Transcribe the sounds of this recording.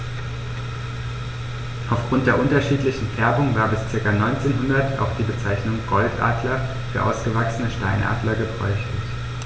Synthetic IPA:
ʔaʊfɡ̥ʁʊnt̚d̥eːɐʔʊntɐʃiːtlɪçn̩fɛɐbʊŋvaːɐbɪst͡sɪɐkanɔʏnt͡seːnɦʊndɐta̰ʊxd̥iːbət͡saɪçnʊŋɡɔltʔa̰ːdlɐ | fyːɐʔa̰ʊsɡ̥əvaksənəʃtaɪnʔa̰ːdlɐɡəbʁɔ̰ʏçlɪç

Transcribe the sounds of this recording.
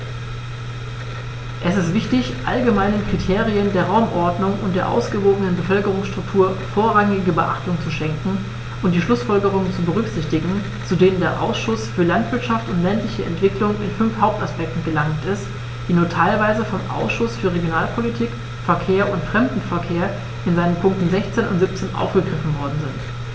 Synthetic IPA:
ʔɛsɪstv̥ɪçtɪçʔa̰lɡəmaɪnənkʁ̥itʰeːʁiəndeːɐʁaʊmʔɔɐdnʊŋʊnt̚d̥eːɐʔa̰ʊsɡ̥əvoːɡənənbəfœlkəʁ̞ʊŋsʃtʁ̥ʊk̚tʰuːɐfoːɐʁaŋɪɡəbəʔa̰χtʊŋt͡suʃɛŋkŋ̩ | ʔʊnt̚d̥iːʃlʊsfɔlɡəʁ̞ʊŋənt͡subəʁ̞ʏçz̥ɪçtɪɡŋ̩ | t͡sudeːnəndeːɐʔa̰ʊsʃʊsfyːɐlantv̥ɪɐtʃaftʊntlɛntlɪçəʔɛ̰ntv̥ɪklʊŋɪnfʏnfhaʊp̚taspɛk̚tn̩ɡəlaŋtɪst | d̥iːnuːɐtʰaɪlvaɪzəfɔmʔa̰ʊsʃʊsfyːɐʁ̞eɡjonaːlpʰolitʰiːk | fɛɐkʰeːɐʔʊntfʁ̥ɛmdn̩fɛɐkʰeːɐ | ʔɪnzaɪnənpʰʊŋktn̩zɛçt͡seːnʊ̰ntz̥ip̚t͡seːnʔa̰ʊfɡ̥əɡʁɪfn̩vɔɐdn̩zɪnt

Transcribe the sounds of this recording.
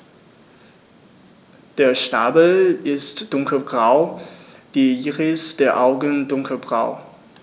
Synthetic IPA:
d̥eːɐʃnaːbl̩ɪstd̥ʊŋkʰəbʁaʊd̥iːiːʁɪsd̥eːɐʔaʊɡən̩dʊŋkʰəbʁaʊ

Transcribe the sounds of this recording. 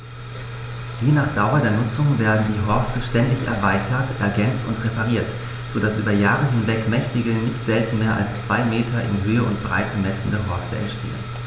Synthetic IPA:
hiːnaːχd̥aʊɐdeːɐnʊt͡sʊŋveːɐdn̩diːɦɔɐstəʃtɛndɪçɛ̰ɐvaɪtʰɐtʔɛɐɡɛnt͡stʊntʁepaʁ̞iːɐt | z̥oːdasʔyːbɐjaːʁəɦɪnvɛkmɛçtɪɡənɪçtz̥ɛltn̩meːɐʔa̰lst͡sv̥aɪmeːtʰɐʔɪ̰nɦøːəʊntb̥ʁa̰ɪt̚əmɛsn̩dəɦɔɐstəɛ̰ɐʃtʰḛːə̰n

